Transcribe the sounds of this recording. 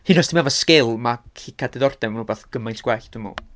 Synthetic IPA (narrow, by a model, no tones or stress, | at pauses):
hɨnɔstʰimɛvɔskelˠmakʰikʰadɛðɔrd̥ɛmanubaθɡ̥əmajntʰɡ̥wɛɬd̥ɪmɔ̰